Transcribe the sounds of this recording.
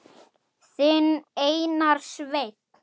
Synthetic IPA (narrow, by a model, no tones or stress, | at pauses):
sɪneːjnaɾ̥svejt̪̚